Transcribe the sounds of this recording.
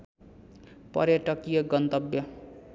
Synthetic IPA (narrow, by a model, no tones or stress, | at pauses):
pʌ̰ɾjʌʈʌkijʌɡʌnt̪ʌbjʌ